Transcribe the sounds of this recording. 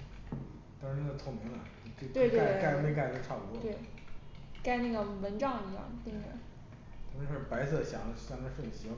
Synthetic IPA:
t̪ɑ˥ŋʂɻ̩˧˥ne˥ə˧t͡s̪ʰo˥˩ʊmi˧˥ŋlɐ˨˩t͡se˥˩t̪we˥˧ɪtk̪a˥˧ka˥˧ɪ˥me˥˧k̬a˥˩ɪə˥ə˧ʈ͡ʂʰa˥˩pu˨˩wɔ˥˧we˥˩ɪ | ka˥˧ɪna˥˩ɡə˩mə˧˥nʈ͡ʂɑ˥˩ŋi˧˥jɑ̰˥˩ŋt̪i˥ɻ̰ | t̪ʰa˥˩ə˧˥ʂɻ̩˥˩pa˧˥ɪsɤ˥˩ɕjɑ˨˩˥ɕɑ˥˩ŋa˥˧ʂwə˥˩nɕi˧˥˩

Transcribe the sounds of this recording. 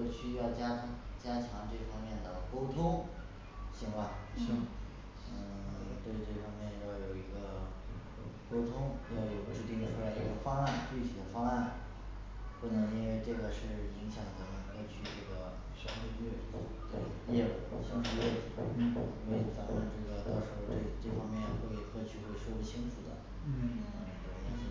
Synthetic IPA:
wɕy˥jɑ˥˩ʊt͡ɕja˥t͡ɕja˥t͡ɕʰjɑ˧˥ŋʈ͡ʂɤ˥˩fɑ˥ŋmjɛ˥˩nd̪ə˩ko˥ʊt̪ʰʊ˥ŋ | ɕi˧˥ŋwa˥˩ŋɕi˥ŋ̩˥˩ | t̪we˥˧ɪʈ͡ʂɤ˥˩fɑ˥ŋmjɛ˥˩njɑ˥˩ʊjo˨˩ʊi˧˥ɡə˧ | ko˥ʊt̪ʰʊ˥ŋjɑ˥˩ʊjo˨˩ʊʈ͡ʂɻ̩˥˧t̪i˥˩ŋʈ͡ʂʰu˥la˧˥ɪi˧˥ɡə˧fɑ˥ŋa˥˩nt͡ɕy˥˩t͡ɕʰi˨˥d̪ə˧fɑ˥ŋa˥˩n | xwɔ˥˩nə˧˩i˥nwe˥˧ɪʈ͡ʂɤ˥˩ɡə˩ʂɻ̩˥˩i˧˥ŋɕjɑ˨˩ŋd̪ə˦nə˧˩xʰwɤ˥˩t͡ɕʰy˥˧ʈ͡ʂɤ˥˩ɡə˩ | ɕjɑ˥ŋʂ̩˥˧ɥɛ˥˩˨t̪we˥˩ | jjɛ˥˩˧ə˨˩ɕjɑ˥ŋʂ̬̩˥˧ɥɛ˥˩ʈ͡ʂ̩˨˩˧we˥˩˥fa˨˩˧nʈ͡ʂɤ˥˩ɡə˩t̪ɑ˥˩ʊʂɻ̩˧˥xʊʈ͡ʂe˥˩ʈ͡ʂɤ˥˩fɑ˥ŋmjɛ˥˩n˩xwe˥˧ɪt̪ʰɤ˥˧˩t͡ɕʰy˥˧xwe˥˩ɪʂo˥pu˥˩t͡ɕʰi˥ŋʈ͡ʂʰu˨˩d̪ə̰˦ | na˥˩˧n˨˩˧jɛ̰˧˥nʂ̩˥˩

